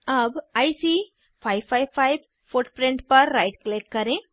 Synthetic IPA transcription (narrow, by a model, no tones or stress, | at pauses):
əbajsi | pʰajbpʰajbpʰajb | pʰoʈpɾẽɳʈpəɾːajʈklekːəɾẽ